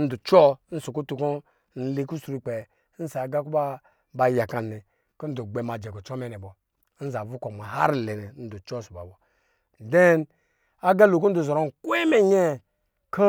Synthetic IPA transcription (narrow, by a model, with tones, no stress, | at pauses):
n̩˦du˨t͡ʃɔ˦n̩˦su˨ku˦tu˨ko˦ | n̩˦li˦ku˦su˨ɾu˦k͡pe˨˦ | n̩˦sa˨ɡa˦ku˦ba˦ | ba˨ja˨ka˨ni˨ | ku˦n̩˦du˨ɡ͡be˨ma˨d͡ʒɛ˨ku˨t͡ʃɔ˦mɛ˦nɛ˨bɔ˨˦ | n̩˦za˨vu˦ko˨ma˨ha̰˦ɾlɛ˨nɛ˨˦n̩˦du˨t͡ʃɔ˦˨su˨ba̰˨bɔ˨ | dɛ˦n | a˦ɡa˦lo˨ku˦n̩˦du˨zɔ˨ɾo˦˨n˨kwe˦me˦ɲe˦ | kʰa˦